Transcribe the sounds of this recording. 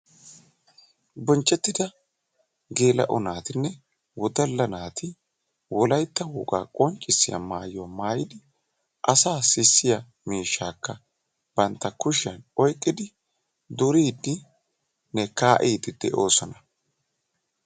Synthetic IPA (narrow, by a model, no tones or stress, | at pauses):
bɔnt͡ʃʼːɛt̪ːɪd̪ɐ | ɡeːlɐ̰ʔʊnaːt̪ɪnːɛ | wɔd̪ɐlːɐnaːt̪ʰɪ | wɔlɐjt̪ːɐwʊɡa̰ːkʼɔnt͡ʃʼːɪsːɪjɐ̰maːjomaːjɪd̪ɪ | ʔɐsaːsɪsːɪjɐ | miːʃːaːkːɐ | b̥ɐnt̪ːɐkʊʃɐnɔjkʼːɪd̪ɪ | d̪ʊɾiːd̪ːɪ | nɛkaːʔiːd̪ɪd̪̥ɛʔo̞ːsɔnɐ